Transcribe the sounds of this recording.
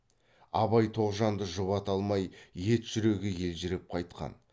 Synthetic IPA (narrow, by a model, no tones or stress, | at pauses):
ɑβɑjt̪ʰo̞ʁʒɑnd̪əʒʊβɑt̪ɑlˠmɑjje̞t̪ʒ̥ʏɾeɡʲɪje̞lʒɪɾɪp̚qʰɑjt̪̚qɑ̰n